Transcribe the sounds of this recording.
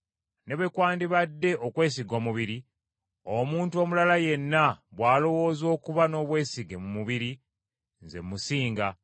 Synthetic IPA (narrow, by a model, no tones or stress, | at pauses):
ne̞βekwaːndiβadːe̞ʔokwe̞ːs̬iɡo̞ːmuβiɾi | omuːntuo̞mulalaje̞nːaβwaːlo̞wo̞ːzo̞ːkuβano̞ːβwe̞ːsiɡe̞mumuβiɾi | nze̞̰mːusiːŋɡa